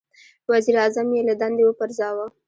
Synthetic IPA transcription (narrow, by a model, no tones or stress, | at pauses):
waziɾɑzamjelad̪ɑnd̪ewəpəɾzɑwa